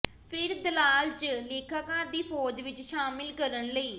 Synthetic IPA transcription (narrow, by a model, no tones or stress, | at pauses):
pʰɪɾd̪əlaːlt͡ʃleːkʰaːkaːɾd̪iːpʰoːd͡ʒʋɪt͡ʃʃaːmɪlkəɾənləiː